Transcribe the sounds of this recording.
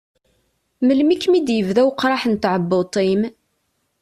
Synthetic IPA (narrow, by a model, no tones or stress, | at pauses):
məlmikːmid̪jəvðæwqɾˤɑħənt̪ʕəbːot̪ˤim